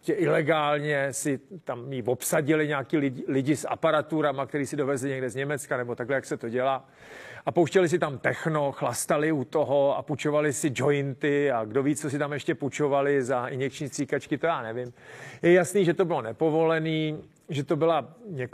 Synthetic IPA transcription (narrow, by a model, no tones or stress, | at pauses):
cɛʔɪlɛɡaːlɲɛsɪt̪amjivopsaɟɪlɪɲaːkiːlɪlɪɟɪsa̰paɾat̪uɾamakt̪ɛɾiːsɪdo̞vɛzlɪɲɛɡdɛzɲɛmɛt͡skanɛbo̞t̪aɡlɛjaksɛt̪o̞ɟɛlaː | ʔapowʃcɛlɪs̬ɪt̪amt̪ɛxnoxlast̪alɪut̪oɦoa̰put͡ʃo̞valɪsɪd͡ʒo̞ɪnt̪ɪaɡdo̞viːt͡st͡sos̬ɪt̪amjɛʃcɛput͡ʃo̞valɪzaɪɲjɛkt͡ʃɲiːst̪r̥iːkat͡ʃkɪt̪ojaːnɛvɪmjɛjasniːʒɛt̪obɪlo̞nɛpo̞vo̞lɛniː | ʒɛt̪o̞bɪlaɲɛk